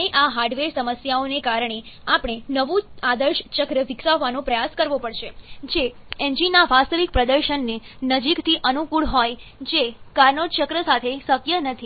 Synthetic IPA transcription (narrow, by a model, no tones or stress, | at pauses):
eʔaɦaɾɖʋeɾsəməsjaonekaɾəɳ̃eapɽ̃enəʋũad̪əɾʃt͡ʃəkɾəʋɪksaʋːanõpɾəjaskəɾʋopəɽʃed͡ʒe | ɛnd͡ʒinaʋast̪əʋik̚pɾəd̪əɾʃənːenəd͡ʒikt̪ʰiʔənukuɭɦɔjd͡ʒekaɾnot͡ʃəkɾəsat̪ʰesəkjənət̪ʰi